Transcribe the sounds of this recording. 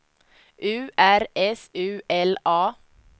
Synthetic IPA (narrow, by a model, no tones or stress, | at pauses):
ʔʉːæɾɛsʉːʔɛlɑː